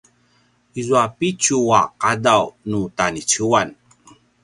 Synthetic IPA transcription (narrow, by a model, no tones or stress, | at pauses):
izuapit͡ɕuaqadawnutanit͡ɕuan